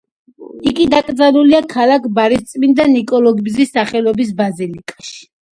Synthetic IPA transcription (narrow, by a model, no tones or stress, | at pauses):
iɡid̪akʼd̪zanuliakʰalakʰbaɾist̪sʼmind̪anikʼɔlɔɡbzisːaχɛlɔbis̬bazilikʼḁʃi̥